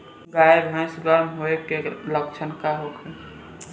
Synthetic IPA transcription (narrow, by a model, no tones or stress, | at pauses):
ɡaeɡʱãj̃suɡəɾmɦoekelək̚t͡ʃʰənkaɦokʰẽ